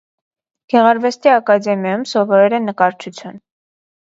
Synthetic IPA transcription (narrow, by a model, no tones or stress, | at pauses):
ɡ̥ɛʁɑɾvɛst̪iɑkɑd̪ɛmjɑjumsɔvɔɾɛɾɛnːəkɑɾt͡ʃʰut͡sʰjun